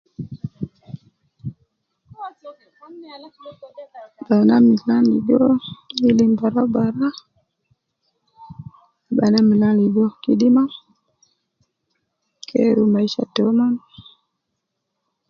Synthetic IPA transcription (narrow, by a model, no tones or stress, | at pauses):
banamilanliɡɔilimbaɾauɓaɾa | aɓanamilaliɡɔkiɗima | kʰɛ̰ɾumaiʃa̰tɔman